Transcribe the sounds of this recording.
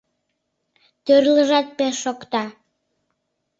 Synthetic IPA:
t̪ørləʒɑt̪̚peʃːokt̪ɑ

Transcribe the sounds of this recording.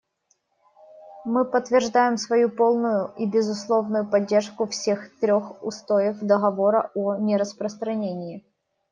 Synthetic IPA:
mɨpət̪ːvʲɪrʐd̪ajɪmsvɐjupolˠnʊjʊʔibʲɪzʊslˠovnʊjʊpɐdʲːerʂkʊfsʲe̞xt̪ɾʲoxʊ̰st̪ojɪfd̪əɣɐvoɾə̰ʔɔnʲɪɾəspɾəst̪ɾɐnʲenʲɪɪ

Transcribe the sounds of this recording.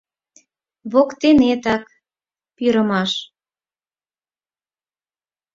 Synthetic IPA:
βokt̪enet̪ɑk | pyɾəmɑʃ

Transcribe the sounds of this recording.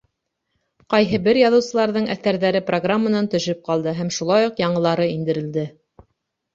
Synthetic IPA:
qɑjɦɤbɘɾjɑðɤ̆wsɤ̆lˠɑɾðɤɴæθæɾðæɾɘproɡramːənɑnt̪ɵ̆ʃɵp̚qɑlˠd̪ɤɦæmʃulˠɑjuqjɑɴɤ̆lˠɑɾɤind̪ɘ̆ɾɘ̆ld̪ɘ

